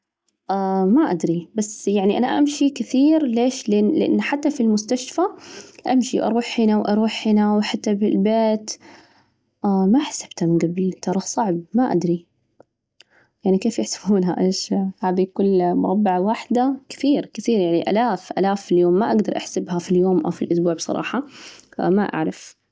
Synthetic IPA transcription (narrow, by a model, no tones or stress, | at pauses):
ʔamaʔad̪ɾibasːjaʕniʔana̰ʔamʃikɪθiːɾleːʃlʔɪnlɪʔɪ̰nːħat̪ːafilmʊst̪aʃfaʔamʃiʔɑ̰ɾˤuːħħiːnawʔɑɾˤuːħːiːnawħat̪ːabɪlbeːt̪ | ʔamaħḁsḁb̥t̪hamɪnɡabɪlt̪ɑɾˤɑsˤɑʕb̚maʔa̰d̪ɾi | jaʕnikeːfjɪħsɪ̥buːnɦa̰ʔeːʃhaːd̪ikʊlːmʊɾˤɑbːɪʕawaħd̪akɪ̥θiːɾkɪθiːɾjaʕniʔa̰laːfʔa̰laːfːiljoːmːaʔaɡd̪ɑɾˤʔa̰ħsabhafiljoːmʔa̰wfilʔʊsbuːʕbsˤɑ̰ɾˤɑ̰ːħɑ̰ | maʔa̰ʕɾˤɑf